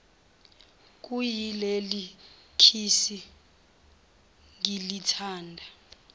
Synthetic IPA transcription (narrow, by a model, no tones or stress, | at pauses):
k̬ʼujilelikʰisi | ŋilitʰaːndʱa